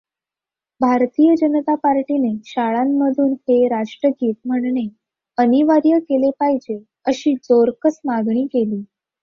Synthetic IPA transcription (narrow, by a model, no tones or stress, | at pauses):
bʱaɾt̪ijəd͡ʑənət̪apaɾʈineɕaɭamːəd̪ʱuːnheɾaʂʈɾəɡiːt̪̚m̤əɳɳe | əniʋaɾjəkelepaɦid͡ʑe | əɕiːd͡zoɾkəsmaɡɳ̃iːkeliː